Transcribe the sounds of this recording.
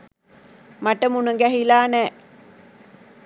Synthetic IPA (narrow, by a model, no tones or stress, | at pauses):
maʈəmunəɡæɦilaːnɛː